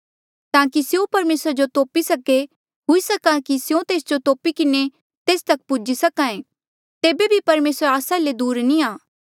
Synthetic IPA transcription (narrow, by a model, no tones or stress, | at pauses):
t̪ãːkisjõpɐɾmeːsɾad͡ʒot̪oːpisɐke | ɦʊisɐkakisjõt̪eːsd͡ʒot̪oːpikɪne | t̪eːst̪ɐk̚pʊd͡ʒisɐkãːẽ | t̪eːbebʱipɐɾmeːsɾaːsaled̪uːɾnĩaː